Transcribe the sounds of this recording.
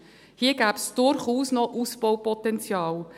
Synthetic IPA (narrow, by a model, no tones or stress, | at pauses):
hiːəɡ̥æːbsd̥ʊɾχuːsnɔʔuspɔwpɔtɛnt͡sjɑːl